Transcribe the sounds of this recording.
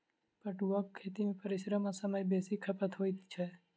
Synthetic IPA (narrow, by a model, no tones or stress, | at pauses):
pəʈuʋək̚kʰːeːt̪imẽpəɾɪʃɾəmasəməjbeːsikʰəpət̪ɦoːit̪t͡ʃʰɛ